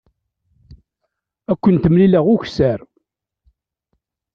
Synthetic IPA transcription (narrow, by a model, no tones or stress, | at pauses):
ækʷːənt̪əmlilæʁʊçsæɾ